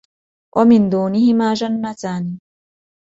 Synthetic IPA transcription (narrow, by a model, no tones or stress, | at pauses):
wʔamɪnd̪uːnɪhɪmaːd͡ʒanːat̪aːni